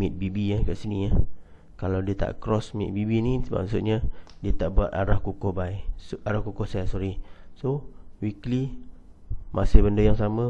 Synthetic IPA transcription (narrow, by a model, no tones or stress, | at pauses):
mit̪̚bibiakaʔsiniah | kalawdiət̪a̰ʔkɾɔsmit̪̚bibinisəma̰ʔsʊt̪̚ɲadiət̪aʔbuat̪̚aɾahkukɔhbaiaɾahkukɔhsasɔɾisowikli | mʔasɪhbəndəjaŋsamə